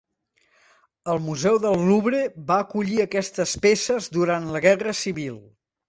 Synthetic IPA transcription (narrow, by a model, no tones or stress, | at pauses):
əlˠmuzɛwðəlˠːuβɾeβaːkuʎiəkɛst̪əspesəzd̪uɾant̪ləɣɛrəsiβilˠ